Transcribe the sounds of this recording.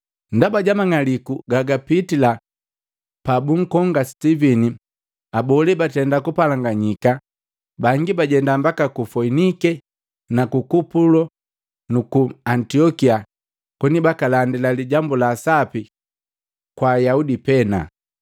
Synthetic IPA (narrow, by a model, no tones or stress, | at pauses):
ndabaɟamaŋalikuɡaɡapitila | pabuŋ̩kɔŋɡastivɛni | abɔlɛbatɛndakupalaŋɡaɲika | baŋɡibaɟɛndambakakufɔinikɛ | nakukupulɔ | nukuantiɔkia | kwɛnibakalandilaliɟambulaːsapi | kwajaudipɛna̰